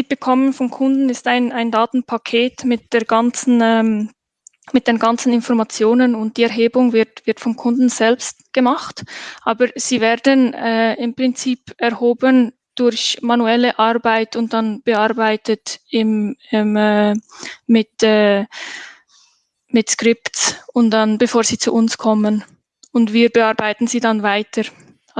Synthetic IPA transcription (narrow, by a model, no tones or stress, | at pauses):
mɪt̚b̥əkʰɔmənfɔnkʰʊndn̩ɪstaɪnaɪndaːtn̩pʰakʰeːtmɪt̚d̥eːɾɡant͡sn̩ɛm | mɪt̚d̥eːnɡant͡sn̩ɪnfɔʁmat͡sjoːnənʊnt̚d̥iːɛɾɦeːbʊŋvɪɐtv̥ɪɐtfɔnkʰʊndn̩z̥ɛlpstɡ̥əmaχtʔaːbəz̥iːvɛːʁdənɛːɪmpʁ̥ɪnt͡siːpɛʁhoːbən | d̥ʊɾçmanuɛləʔaɾbaɪtʊnt̚d̥anb̥əaɾbaɪtətɪmmɛː | mɪtɛː | mɪtskʁɪptsʊnt̚d̥anb̥əfoːɐz̥iːt͡sṵʔʊnskʰɔmən | ʊndviːɾbəaɾbaɪtn̩z̥iːdanvaɪtʰəɾ